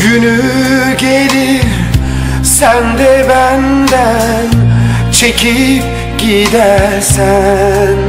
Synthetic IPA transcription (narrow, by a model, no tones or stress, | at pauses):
ɡyny | ɟeliɾ | sænd̪ɛbænd̪æ | n | t͡ʃʰecʰip̚ | ɟid̪æɾsæn